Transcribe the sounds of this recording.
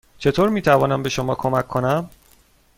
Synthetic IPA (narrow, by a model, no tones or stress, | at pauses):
t͡ʃʰe̞t̪ʰoːɾmiːt̪ʰævɒːnæmbe̞ʃo̞mɒːkʰo̞mækʰːo̞næm